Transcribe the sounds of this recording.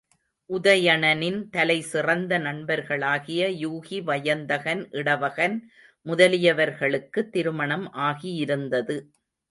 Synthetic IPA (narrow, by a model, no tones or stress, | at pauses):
ʔʊðɐjɐɳɐnɪnt̪ɐlɐɪsɪrɐnd̪ɐnɐnbɐɾɣɐɭaːɣɪjɐjuːɣiʋɐjɐnd̪ɐɣɐnʔɪɽɐʋɐɣɐn | mʊðɐlɪjɐʋɐɾɣɐɭɯkːɯt̪ːɪɾɯmɐɳɐmʔaːɣijɪɾɯnd̪ɐðɯ